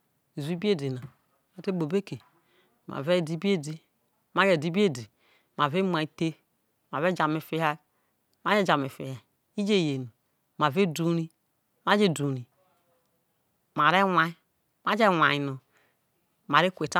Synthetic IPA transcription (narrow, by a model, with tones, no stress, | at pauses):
i˨zi˦bi˦e˦di˨na˨ | ma˨te˦ɡ͡bo˨be˦ke˨ | ma̰˨ve˦˨di˦bi˦e˦di˦ | ma˦d͡ʒe˨di˦bi˦e˦˨di˨ | ma˨ve˦ma˨i˨˦te˦ | ma˨ve˦d͡ʒa˨me˨fi˦ha˦ | ma˦d͡ʒe˦˨d͡ʒa˨me˨fḭ˨ha˨ | i˦d͡ʒe˦˨je˨no˨ | ma˨ve˦du˨˦ɾi˦ | ma˦d͡ʒe˦˨du˨ɾi˨ | m˨a˨ɾe˦wa˦i˦ | ma˦d͡ʒe˦wʷa˨i˨no˨ | ma˨ɾe˦kʷe˨ta˦